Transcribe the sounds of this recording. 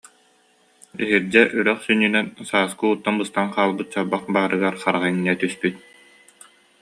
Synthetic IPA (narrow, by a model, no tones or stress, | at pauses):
iɦiɾd͡ʑɛʔyɾœχsynːynɛnsaːskɯuːt̪ːanbɯst̪anqaːlˠbɯt̪̚t͡ɕaɾbaχbaːɾɯɡaɾχaɾaʁaiŋnɛt̪yspyt̪̚